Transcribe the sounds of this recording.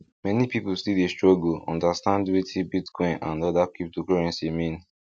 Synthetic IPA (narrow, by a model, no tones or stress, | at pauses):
mɛnipipostildestɹɔɡoɔ̰̃ndastãndwetʰibitkɔ̃ɪ̃nã̰nɔdakip̚tokɔɹɛ̃nsimĩn